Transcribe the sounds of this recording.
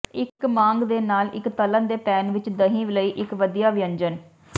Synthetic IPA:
ɪkmãːŋɡd̪eːnaːlɪ̰kt̪ələnd̪eːpɛːnʋɪt͡ʃd̪əɦĩːʋɪləiːʔɪkʋəd̪ijaːʋɪjə̃ɲd͡ʒən

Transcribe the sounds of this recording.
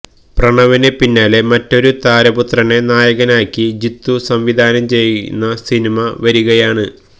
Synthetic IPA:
prɐɳɐʋinepinːaːle̞mɐtːo̞ɾut̪aːɾɐbut̪rɐnenaːjɐɣɐnaːkʲːid͡ʑit̪ːusɐmʋid̪ʱaːnɐmt͡ɕe̞jːṵnːɐsinimɐʋɐɾuɣɐjaːɳɨ

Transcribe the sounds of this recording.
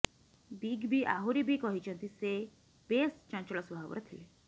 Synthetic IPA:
biɡbiʔa̰ɦuɾibʱikɔɦit͡ʃʰɔnt̪ise | b̥est͡ʃɔ̃nt͡ʃɭɔsubʱaʋ̰ɾɔt̪ʰile

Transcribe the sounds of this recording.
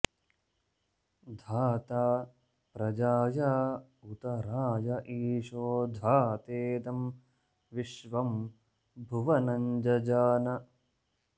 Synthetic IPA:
d̪ʱaːt̪aː | pɾɐd͡ʒaːja | ut̪ɐɾaːjɐʔiːʂoːd̪ʱaːt̪eːd̪ɐm | ʋiʃʋɐm | bʱuʋɐnɐɲd͡ʒɐd͡ʒaːnɐ

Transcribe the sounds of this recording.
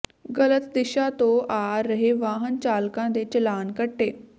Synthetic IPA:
ɡələt̪d̪ɪʃaːt̪õːʔaːɾəɦeʋaːɦənt͡ʃaːlkãːd̪eːt͡ʃəlaːnkəʈːeː

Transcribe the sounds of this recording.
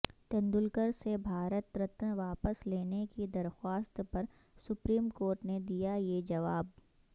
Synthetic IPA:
t̪ɐ̃nd̪ʊlkəɾsebʱaːɾət̪ɾət̪ʋaːpəsleːnekid̪ɐɾxwaːst̪pɐɾ | sʊpɾiːmkoːɾʈned̪ijajed͡ʒɐʋaːb

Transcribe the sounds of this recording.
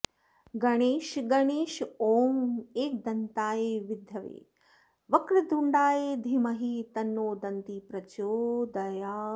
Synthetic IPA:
ɡɐɽ̃eːʃɡɐɽ̃eːʃoːmeːk̚d̪ɐnt̪aːjeːʋɪd̪ʱjɐʋḛː | ʋɐkɾɐd̪ʱuɳɖaːeːd̪ʱimɐɦiːt̪ɐnːoːd̪ɐnt̪iːpɾɐt͡ʃoːd̪ɐjaː

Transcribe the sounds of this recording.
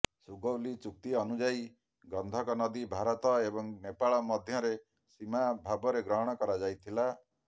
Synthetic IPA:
suɡɔwlit͡ʃuk̚t̪iɔnud͡ʒai | ɡɔnd̪ʱɔkɔnɔd̪ibʱaɾɔt̪ɔebɔŋnepaɭɔmɔd̪ʱjɔɾe | simabʱabɔɾeɡɾɔɦɔɽ̃ɔkɔɾad͡ʒajt̪ʰila

